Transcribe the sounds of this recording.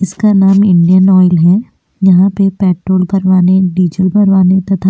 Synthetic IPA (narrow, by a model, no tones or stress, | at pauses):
ɪskanaːmɪ̃ɳɖijənɔːɪlɦɛː | jɐɦãpepɛːʈɾoːlkɐɾʋaːneɖiːd͡ʒəlbɐɾʋaːnet̪ɐt̪ʰa